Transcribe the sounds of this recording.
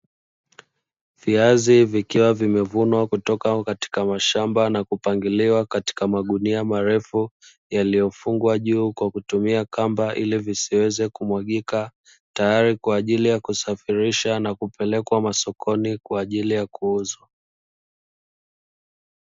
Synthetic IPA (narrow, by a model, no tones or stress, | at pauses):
viazivikiwavimɛvunwakutɔkakati̥kamaʃambanakupaŋɡiliwakati̥kamaɠuniamaɾɛfu | jalijɔfuŋɡwaʄuːkwakutumiakambaʔilivisiwɛzɛkumwaɠika | tajaɾikwaːʄilijakusafiɾiʃanakupɛlɛkwamasɔkʰɔnikwaːʄilijakuuzwa